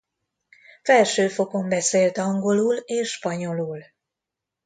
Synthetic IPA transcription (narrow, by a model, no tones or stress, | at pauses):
fɛlʃøːfo̞ko̞mbɛseːlt̪ɒŋɡo̞luːleːʃːpɒɲo̞luːl